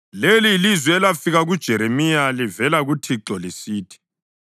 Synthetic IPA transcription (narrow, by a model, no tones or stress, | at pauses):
lelilizwɛlafiɣaɣud̥ʒ̥ʱɛɾemijalivɛlaɣutʰiǁɔlisiːtʰi̥